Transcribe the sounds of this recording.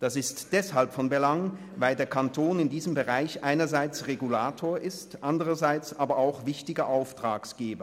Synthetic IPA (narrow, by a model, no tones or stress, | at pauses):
d̥asɪstd̥ɛshalpfɔnbəlaŋ | vaɪldeːɐkʰantʰoːnɪndiːzəmbəʁaɪçʔaɪnɐzaɪt͡sʁeɡulaːtʰoːɐʔɪstʔandəʁɐzaɪt͡sʔaːbɐaʊxv̥ɪçtɪɡɐʔaʊftʁ̥aːksɡ̥eːbɐ